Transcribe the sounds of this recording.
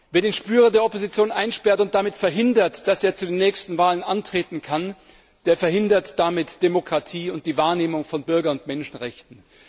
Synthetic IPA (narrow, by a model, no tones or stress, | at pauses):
v̥eːɐdeːnʃpyːʁɐdeːɐʔopozit͡sjoːnʔaɪnʃpɛɐtʊnt̚d̥amɪtfɛɐɦɪndɐtd̥aseːɐt͡sudeːnːɛːçstn̩vaːlənʔantʁ̥eːtn̩kʰan | d̥eːɐfɛɐhɪndɐtd̥amɪtd̥emokʁ̥atʰiːʊnt̚d̥iːvaːɐneːmʊŋfɔnbʏɐɡɐnʊntmɛnʃn̩ʁɛçtn̩